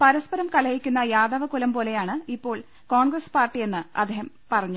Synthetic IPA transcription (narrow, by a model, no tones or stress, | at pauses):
pɐɾɐspɐɾɐmkɐlɐjikʲːunːɐjaːd̪ɐʋɐkulɐmpo̞ːle̞jaːɳɨipːo̞ːɭ | koːɳɡrɐspaːrʈːie̞nːɨɐ̰d̪ʱehɐm | pɐrɐɲːu